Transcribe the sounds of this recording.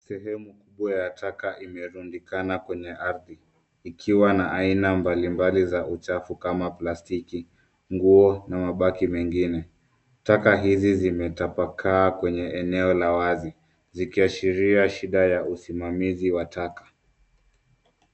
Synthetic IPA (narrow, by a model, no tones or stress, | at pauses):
sɛɦɛmukuɓwajatʰakaʔimɛɾundikanakwɛɲɛʔaɾðiː | kʰiwanaʔainambalimbalizaʔut͡ʃafukamaplastiki | ŋɡuɔnamaɓakimɛŋɡinɛ | takaɦizizimɛtapakʰaːkwɛɲɛɛnɛɔlawazi | zikiaʃiɾiaʃiɗajausimamiziwatʰakḁ